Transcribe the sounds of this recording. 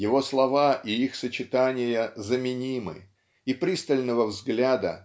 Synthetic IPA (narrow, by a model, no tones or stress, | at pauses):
jɪvo̞slˠɐvaʔiixsət͡ɕɪt̪anʲɪjəzəmʲɪnʲimɨ̰ | ipɾʲist̪əlʲnəvəvzɡlʲad̪ə̰